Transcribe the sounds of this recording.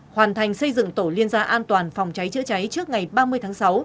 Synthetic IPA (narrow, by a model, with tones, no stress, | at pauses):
hwaː˨˩nt̪ʰa˨˩jŋ̟sə˧jzɨ̰˧˨ŋt̪o˧˩li˧ənzaː˧ʔaː˧nt̪waː˨˩nfa˨˩wŋ͡mt͡ɕa˨˦jt͡ɕɨ̰˧˥t͡ɕa˨˦jt͡ɕɨ˦˥ək̚ŋa˨˩jɓaː˧mɨ˧əjt̪ʰaː˨˦ŋsa˨˦w